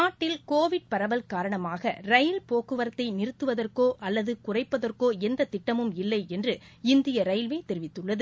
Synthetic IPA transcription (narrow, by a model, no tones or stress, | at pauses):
aːʈːɪlkoːʋɪɽ̚pɐɾɐʋɐlkaːɾɐɳɐmaːɣɐrɐjɪlpoːkɯʋɐɾɐt̪ːɐɪnɪɾɯt̪ːɯʋɐðɐrkoːʔɐlːɐðɯkʊrɐɪpːɐðɐrkoːɛnd̪ɐt̪ɪʈːɐmɯmɪlːɐɪɛndrɯɪnd̪ɪjɐɾɐjlʋeːt̪ɛɾɪʋɪt̪ːɯɭːɐðɯ